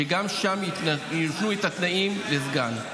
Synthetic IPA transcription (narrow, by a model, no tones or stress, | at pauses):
eɡamʃamnajit̪nuet̪at̪naimlezɡan